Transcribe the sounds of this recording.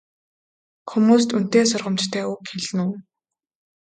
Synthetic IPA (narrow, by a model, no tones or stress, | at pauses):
xumuːs̬t̪un̥t̪eːsʊrʁə̆mt͡ɕt̪ʰæːʊkxeɮ̆nuː